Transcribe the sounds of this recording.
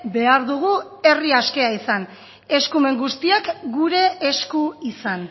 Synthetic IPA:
be̞aɾðuɣu | e̞riaske̞aisan | e̞skume̞ŋɡust̪iakɡuɾe̞ːskuisan

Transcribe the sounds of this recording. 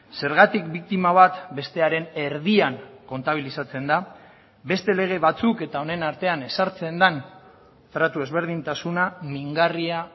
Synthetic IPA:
se̞ɾɣ̞at̪ikbik̚t̪imaβ̞at̪be̞st̪e̞aɾe̞ne̞ɾðiaŋko̞nt̪aβ̞ilisat͡se̞nd̪a | be̞st̪e̞le̞ɣ̞e̞βat͡suke̞t̪ao̞ne̞naɾt̪e̞ane̞saɾt͡se̞nd̪an | t̪ɾat̪ue̞zβ̞e̞ɾð̞int̪asunamiŋɡaria

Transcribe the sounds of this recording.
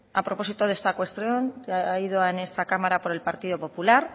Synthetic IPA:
apɾo̞po̞sit̪oð̞e̞st̪akwe̞st̪ɾjo̞naiðoaene̞st̪akamaɾapo̞ɾe̞lpaɾt̪iðo̞po̞pulaɾ

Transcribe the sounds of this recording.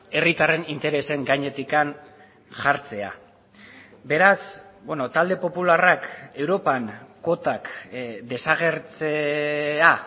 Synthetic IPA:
e̞rit̪are̞nint̪e̞ɾe̞se̞ŋɡajɲe̞t̪ikan | ʝaɾt͡se̞a̰ | be̞ɾasbwenot̪ald̪e̞po̞pularake̞wɾo̞panko̞t̪akd̪e̞saɣe̞ɾt͡sea

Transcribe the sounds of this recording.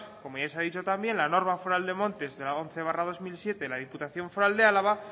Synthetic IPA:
ko̞moesaðit͡ʃo̞t̪ambje̞nlano̞ɾmafoɾald̪e̞mõ̞nt̪e̞zðelao̞n̟θe̞β̞arað̞o̞zmilsje̞t̪e̞laðiput̪aθjo̞ɱfoɾald̪e̞alaβa

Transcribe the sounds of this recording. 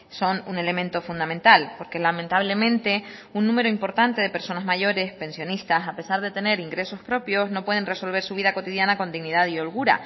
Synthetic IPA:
so̞nune̞le̞mẽnt̪o̞fund̪amẽ̞nt̪alpo̞ɾkezlament̪aβle̞mẽ̞nt̪e̞unːũme̞ɾo̞impo̞ɾt̪ant̪e̞ðe̞pe̞ɾso̞nazmaʝo̞ɾe̞spẽ̞nsjonist̪asape̞saɾðe̞t̪e̞ne̞ɾiŋɡɾe̞so̞spɾo̞pjo̞zno̞pwe̞ð̞enre̞so̞lβ̞e̞ɾsuβ̞iðako̞t̪iðjanako̞nd̪iɣniðaðio̞lɣuɾa̰

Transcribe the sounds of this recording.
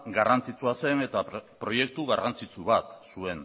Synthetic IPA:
ɡarʔant͡sit͡suase̞ne̞t̪apɾo̞je̞k̚t̪uɣarant͡sit͡suβat̪sue̞n

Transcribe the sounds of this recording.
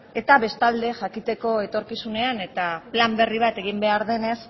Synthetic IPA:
e̞t̪aβe̞st̪ald̪e̞ʝakit̪e̞ko̞e̞t̪o̞ɾkisune̞ane̞t̪aplambe̞riβ̞at̪e̞ɣ̞imbe̞aɾðe̞ne̞s

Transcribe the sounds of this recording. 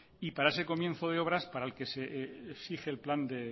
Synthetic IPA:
ipaɾae̞se̞ko̞mjenθoðeo̞β̞ɾaspaɾaelke̞seesixe̞ːlpland̪e̞

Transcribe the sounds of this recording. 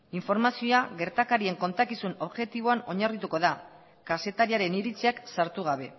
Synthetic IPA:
iɱfo̞ɾmasioaɣe̞ɾt̪akaɾie̞ŋko̞nt̪akisuno̞βʝe̞t̪iβo̞ano̞ɲarit̪uko̞ða | kase̞t̪aɾiaɾe̞niɾit͡seaksaɾt̪uɣ̞aβ̞e̞

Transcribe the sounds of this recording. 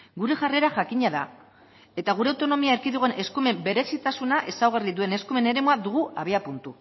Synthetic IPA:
ɡuɾe̞ʝare̞ɾaʝakiɲaða | e̞t̪aɣ̞uɾe̞awt̪o̞no̞miaeɾkiðuɣoenʔe̞skume̞mbe̞ɾe̞sit̪asunaʔe̞sawɣariðue̞ne̞skume̞ne̞ɾe̞muaðuɣ̞uaβ̞eapunt̪u

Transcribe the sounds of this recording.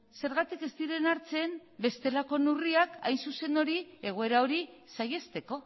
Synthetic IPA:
se̞ɾɣat̪ike̞st̪iɾe̞naɾt͡se̞mbe̞st̪e̞lako̞nuriaka̰jnsuse̞no̞ɾie̞ɣ̞oe̞ɾao̞ɾisaje̞st̪e̞ko̞

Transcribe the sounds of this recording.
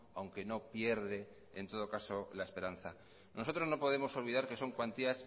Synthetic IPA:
awŋke̞no̞pje̞ɾðe̞ː | nt̪o̞ð̞o̞kaso̞lae̞spe̞ɾanθa | nʔo̞so̞t̪ɾozno̞po̞ð̞e̞mo̞so̞lβ̞iðaɾke̞so̞ŋkwant̪ias

